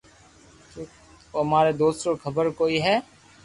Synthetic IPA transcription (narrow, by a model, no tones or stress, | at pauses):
t̪oː | əmaːɾed̪oːst̪okʰəbəɾkoːiːɦɛː